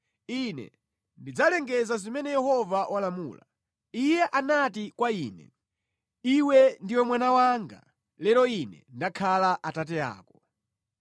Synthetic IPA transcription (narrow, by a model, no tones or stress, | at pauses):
inɛ̰ | ndid͡zalɛŋɡɛzazimɛnɛjɛhɔvawʔalamuːla̰ | ijɛʔanatikwaiːnɛ̰ | iwɛndiwɛmwanawaːŋɡa̰ | lɛɾɔinɛ̰ndakʰalaʔatat̬ɛa̰ːkɔ